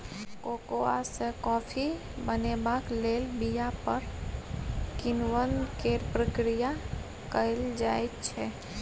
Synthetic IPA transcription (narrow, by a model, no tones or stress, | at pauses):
koːkoa̰sekɔːpʰi | bənebaːkleːlbijapəɾ | kɪnwənkeːɾpɾəkɾija | kəɪld͡ʒaːet̪t͡ʃʰɛ